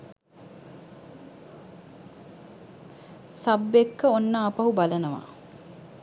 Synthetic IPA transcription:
sabːekːəonːaːpɐɦubalənəʋa̰

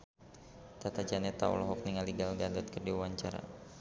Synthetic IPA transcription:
t̪at̪ad͡ʒanɛt̪a̰ɔ̰lɔɦɔk̚niŋaliɡalɡadat̪̚kərdiawaɲt͡ʃaɾa̰

